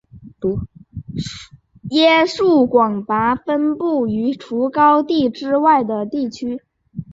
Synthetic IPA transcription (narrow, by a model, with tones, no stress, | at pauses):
jɛ˥ʂu˥˩kwɑ˨˩ŋt̪a˧˥fə˥npu˥˩y˧˥ʈ͡ʂʰu˧˥kɑ˥ʊt̪i˥˧ʈ͡ʂɻ̩˥wa˥˩ɪd̪ə˩t̪i˥˩t͡ɕʰy˥